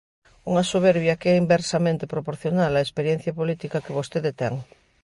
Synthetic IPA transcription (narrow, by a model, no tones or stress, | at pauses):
uŋɐsoβ̞ɛɾβjɐkeɛimbeɾsamẽnt̪epɾopoɾθjonalɐespeɾjɛn̟θjɐpolit̪ikɐkeβost̪eðet̪ɛ̰ŋ